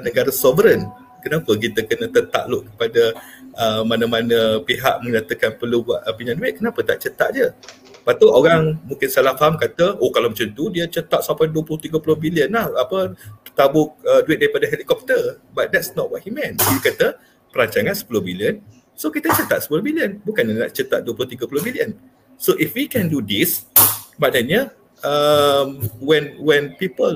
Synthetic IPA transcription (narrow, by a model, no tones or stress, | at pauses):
nəɡaɾəsɔvəɾən | kənapək̬it̪əkənət̪ət̪a̰ʔloʔkəpadəəmanəmanəpiɦa̰ʔmə̃ɲat̪əkanpəlubaʔəpiɲãnduɪʔ̚kənapət̪a̰ʔt͡ʃət̪a̰ʔd͡ʒə | pat̪uʔoɣaŋmũŋkɪnsalahfamkat̪əokalamat͡ʃant̪udiət͡ʃət̪aʔsampajduəplʊht̪iɡəpulʊhbiliənlahapəət̪abʊk̚əduɪt̚dapadəɦelikɔp̚t̪əbat̪̚dɛtsnɔt̚wɔt̚himɛ̃niəkat̪ə | pəɾaɲt͡ʃaŋãnsə̥pulʊhbiliən | sokit̪ət͡ʃət̪at̪̚sə̥pulohbiliənbukanəna̰ʔt͡ʃət̪at̪̚duəpulʊht̪iɡəpulʊhbiliən | soʔifwikɛ̃ndudismaʔdɛnɲə | əmwɛnwɛnpipəl